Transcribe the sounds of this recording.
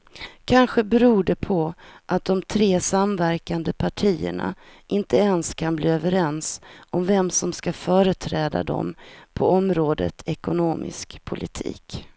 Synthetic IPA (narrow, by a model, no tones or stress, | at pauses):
kʰanɧəbɛɾuːɖɛpʰɔʔat̪̚d̪ɔmt̪ʰɾeːsamvæɾkand̪əpʰaʈʰiːə̰ɳa̰ʔɪnt̪əɛnskʰanbliːøːvəɾɛnsɔmvɛmsɔmskafœːɾət̪ʰɾɛːd̪a̰d̪ɔ̰mpʰɔɔmɾoːd̪ə̰t̪ʰɛkʊnoːmʔɪ̰skpʰʊlɪt̪ʰḭːk